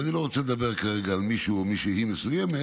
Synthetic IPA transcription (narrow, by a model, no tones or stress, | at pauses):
anilo̞ʁot͡seled̪abe̞ʁkaʁeɡaːlmiʃuomiʃehimesujeme